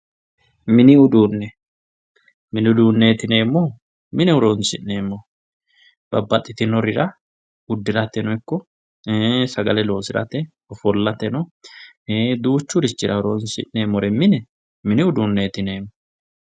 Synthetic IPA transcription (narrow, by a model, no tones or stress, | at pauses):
mɪnɪʊd̪uːnːɛ | mɪnɪʊd̪uːnːeːt̪ɪne̞ːmːɔ | mɪnɛʊɾoːnsɪ̰ʔneːmːɔ | b̥ɐbːɐt̪ʼːɪt̪ɪnɔɾɪɾɐ | ʊd̪ːɪɾɐt̪ːɛnɔɪkːɔ | sɐɡɐlɛlo̞ːsɪɾɐ̰t̪ɛ | ɔfɔlːɐt̪ɛnɔ | d̪uːt͡ʃːʊɾɪt͡ʃːɪɾɐʊɾonsɪ̰ʔːemːɔɾɛmɪnɛ | mɪnɪʊd̪unːeːt̪ɪne̞ːmːɔ